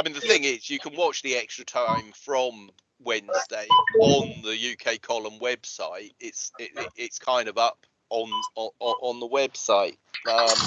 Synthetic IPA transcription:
aɪmĩːnðəθɪ̃ŋɪzjəkʰə̃nwɒt͡ʃðiɛkstɹ̥ətʰə̃ɱfɹə̃m | wɛ̃nzdeɪə̃nðəjʉːkʰeɪkʰɒlə̃mwɛb̥saɪt̚ɪtsɪɪɪtskʰãɪ̃ndəvʌp | ə̃nəʔə̃nðəwɛb̥saɪt | ʌ̃m

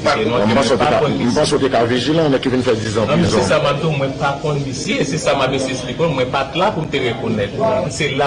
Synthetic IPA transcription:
enũmpãeoteakakɔ̃nm̩pãseot̪ekaviʒilãnɛkivinfɛd͡zizãssamab̚d̪ũmwɛ̃pakɔ̃nisjesesamap̚ːesespikɔ̃mwɛ̃patlapum̩t̪eɣekonɛt̪sela

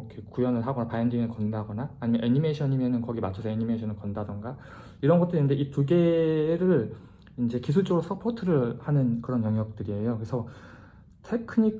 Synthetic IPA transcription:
kekujʌnɯɭɦaɡʌnapajʌndinɯɭkʌndaɡʌnaːɲimjʌnʔeɲimeɕʰʌɲimjʌnɯnkʌɡimat͡ɕʰʌsʰʌeɲimeɕʰʌnɯɭkʌndadʌnɡa | iɾʌnɡʌt͈ɯɾinɯndeʔituɡe̞ɾɯɭ | ind͡ʑe̞kis̬ʰut͡ɕ͈oɾosʰʌpʰotʰɯɾɯɭhanɯnkɯɾʌnjʌŋjʌk̚t͈ɯɾie̞jokɯesʰʌ | tʰe̞kʰɯɲik

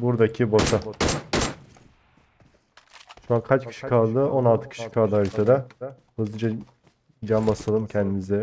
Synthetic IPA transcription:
buɾd̪acʰiboʃa | ʃuankʰat͡ʃcʰi̥ʃi̥kʰalˠd̪ɯo̞nalˠt̪ʰɯ̥cʰi̥iʃi̥kʰalˠd̪ɯalʲt̪ʰad̪ɛ | hɯzɯd͡ʒa | d͡ʒambasɯlˠɯmcʰɛnd̪inizd̪ɛ

